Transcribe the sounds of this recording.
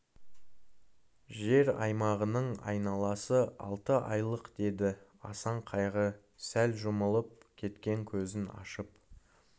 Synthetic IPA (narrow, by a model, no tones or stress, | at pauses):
ʒe̞ɾɑ̰jmɑʁənəɴɑ̰jnɑlˠɑsəɑ̰lˠt̪əʔɑjlˠəqd̪̥e̞d̪ɪɑsɑɴqʰɑjʁə | sælʒʊməlˠəp̚kʲʰe̞t̪kʲe̞ŋkʲʰɵzɪnɑ̰ʃəp